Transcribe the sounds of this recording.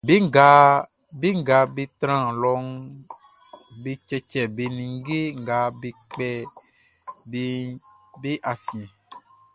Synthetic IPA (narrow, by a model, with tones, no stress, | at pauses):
be˦ɡa˨ | be˦ŋ˦ɡa˨be˦t̪ɾã˦˨lɔ˨ŋ | be˦t͡ʃɛ˦t͡ʃɛ˨be˨nĩ˨ŋ˦ɡe˦ŋ˨ɡa˨be˨k͡pɛ˦ | be˦be˦ʔa˨fĩ˨